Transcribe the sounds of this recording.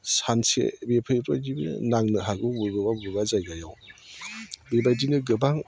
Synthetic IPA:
sansḛbepʰajɾa̰jdibɯ̰naŋnɯɦaɡɯbubɯbabubazajɡajaw | bebajdinɯɡɯbaŋ

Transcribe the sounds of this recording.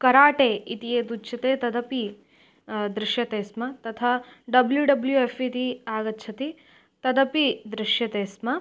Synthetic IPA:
kɐɾaːʈeːit̪ieːd̪utːt͡ʃʰɐt̪eːt̪ɐd̪ɐpi | d̪ɾɪʃjɐt̪eːsmɐt̪ɐt̪ʰɐɖɐbljuɖɐbljuefit̪iaːɡɐtːt͡ʃʰɐt̪i | t̪ɐd̪ɐpid̪ɾɪʂjɐt̪eːsmɐ

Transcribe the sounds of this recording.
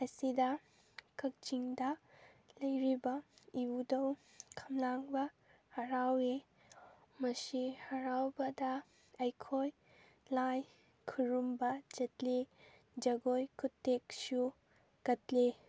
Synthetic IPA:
ɐjsidɐ | kɐk̚t͡ʃiŋdɐlɐjɾibɐiudɐw | kʰɐmlaŋbɐ | hɐɾawe | mɐsihɐɾawbɐdɐ | ɐjkʰoj | laj | kʰuɾumbɐd͡ʒɐtle | d͡ʒɐɡojkʰutːeksu | kɐtle

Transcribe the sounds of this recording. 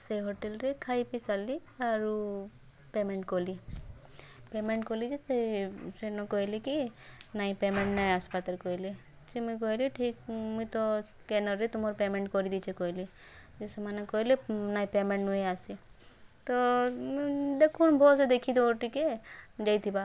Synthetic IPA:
seɦoʈelɾekʰaːipisaliaɾu | pemeɳʈkoli | pemeɳʈkolid͡ʒisesenokoilikinaːĩpemẽɳʈnajaspat̪alkoɦili | simuk̬oiliʈʰikmuit̪okenɔɾet̪umoɾpemẽɳʈkɔɾid̪it͡ʃʰekoili | d͡ʒesemanekoilenaipemẽɳʈnueaset̪o | d̪ekʰunbʱɔːsed̪ekʰid̪ooʈiked͡ʒait̪ʰiba

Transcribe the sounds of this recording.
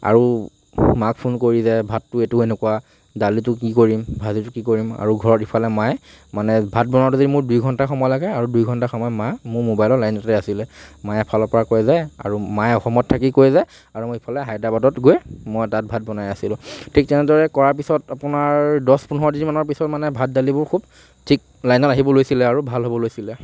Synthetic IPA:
a̰ɹu | makpʰunkoɹizɛbʱatːʊetʊenɛkuwa | dalitʊkikoɹimbʱazitʊkikoɹima̰ɹuɡʱɔɹɔtɦipʰalɛmaj | manɛbʱat̚bɔnaɔtuzodimʊɹdujɡʱɔntaxɔmɔjlaɡɛaɹudujɡʱɔntaxɔmɔjɔmamʊɹmobajlɔlajnɔɛasilɛmajɛpʰalɔpɔɹakojzaa̰ɹumajɔxɔmɔtʰːakikojzaj | aɹumʊipʰalɛɦajdabadɔtɡojmɔjtat̚bʱat̚bɔnajasilʊ̃tʰik̚tɛnɛdɔɹɛkɔɹaɹpisɔtapʊnaɹdɔspunɦɔdiimanɔɹpisɔtmanɛbʱat̚dalibʊɹkʰub | tʰik̚ | lajnɔtaɦibɔlojsilɛaɹubʱalɦobɔlojsilɛ

